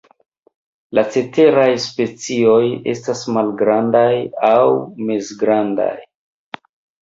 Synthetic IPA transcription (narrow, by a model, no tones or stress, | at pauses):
lat͡se̞te̞ɾajspe̞t͡sio̞je̞̰stasmalɡɾandajawmesɡɾanda̰j